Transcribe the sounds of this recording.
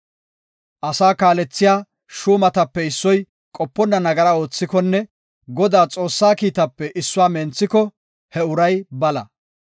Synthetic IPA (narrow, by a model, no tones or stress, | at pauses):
ʔɐsaːkaːlɛt͡sːɪjaː | ʃuːmɐt̪ɐpːɛɪsːɔj | kʼɔpːɔnːɐnɐɡɐɾɐo̞ːt͡sːɪkɔnːɛ | ɡɔd̪aːt͡sʼo̞ːsːaːkiːt̪ɐpːɛʔɪsːʊwaːmɛnt͡sːɪkɔ | hɛʊɾɐjbɐlɐ̰